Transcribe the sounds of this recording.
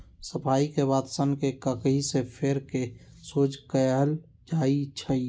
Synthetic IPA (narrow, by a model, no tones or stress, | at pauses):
səpʰaːikeβaːd̪sənkekəkɦisepʰeɾke | soːd͡ʒkəɦəl | d͡ʒaːit͡ʃʰəi